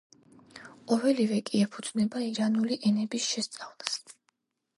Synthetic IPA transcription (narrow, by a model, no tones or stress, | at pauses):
qʼɔvɛlivɛkʼiɛpʰud̪znɛbaiɾanuliʔɛnɛbisʃɛst̪sʼavlˠas